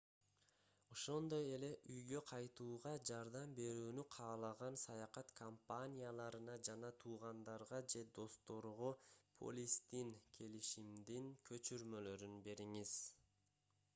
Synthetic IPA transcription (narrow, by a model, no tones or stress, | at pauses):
o̞ʃo̞nd̪o̞je̞le̞ʔyjɡø̞qʰɑjt̪uːʁɑd͡ʒɑɾd̪ɑmbe̞ɾyːnyqʰɑːlˠɑʁɑnsɑjɑqɑt̪kʰompanʲijalˠɑɾɯnɑd͡ʒɑnɑt̪ʰuːʁɑnd̪ɑɾʁɑd͡ʒe̞d̪o̞st̪o̞ɾʁopʰo̞̰lʲist̪inkʲʰe̞liʃimd̪iŋkʰø̞t͡ʃyɾmø̞lø̞ɾynbe̞ɾiŋiz̥